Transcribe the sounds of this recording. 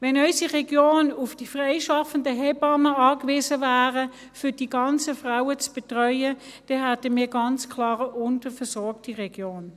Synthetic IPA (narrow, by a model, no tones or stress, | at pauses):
ʋɛnœʏsiʁɛɡjoːnʊfd̥ifʁeɪʃɑfəndəɦɛbɑməɑːkʋɪːzəvæːʁə | fʏd̥iːɡɑnt͡səfʁaʊət͡sb̥etʁœʏəd̥ɛɦætəmiːɐɡɑnt͡skʰlɑːʁəʔʊntəfɛsɔɐk̚tiʁɛɡ̥joːn